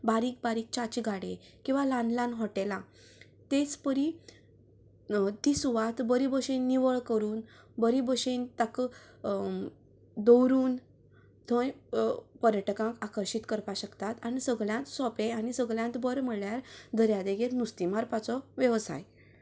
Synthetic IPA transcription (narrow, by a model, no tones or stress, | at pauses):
baɾiːk̚baɾiːk̚t͡ɕat͡ɕiɡaɽe | kĩw̃ʋalãnlãnɦɔʈelã | t̪et͡spəɾi | t̪isuʋat̪bəɾibəɕenːiʋəɭkəɾuːn | bəɾibəɕent̪ak | d̪ɔwɾuːn | t̪ʰõjpəɾjəʈkãŋkakəɾɕit̪kəɾpaɕəkt̪at̪aɽ̃isəɡɭjãt̪sɔpeaɽisəɡɭjãnt̪bəɾməɭjaɾd̪ʱəɾjad̪eɡeɾnust̪imaɾpat͡sɔʋjəʋsa̰j